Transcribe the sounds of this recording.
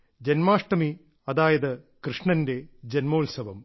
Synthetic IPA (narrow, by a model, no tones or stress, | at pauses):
d͡ʑenmaːʂʈɐmi | ɐðaːjɐðɨkrɨʂɳɐnde̞d͡ʑenmoːlsɐʋɐm